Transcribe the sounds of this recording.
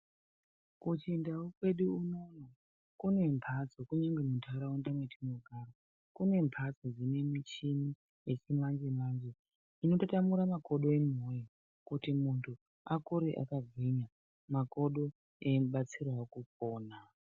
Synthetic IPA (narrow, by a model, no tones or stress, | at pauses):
kut͡ʃindaokwe̞ɗuːno̞no | kune̞mpʰad͡zokuɲaŋɡe̞mutʰaɾawondamwetinoɡʱaro | kune̞mpʰad͡zod͡zine̞mit͡ʃini | jet͡ʃimand͡ʒemand͡ʒe | ino̞totamuɾamako̞ɗo̞emoja | kutimuntʰu | akuɾeʔa̰kaɡʱiɲa | mako̞ɗo̞ | emuɓat͡sirwakuk̚oːna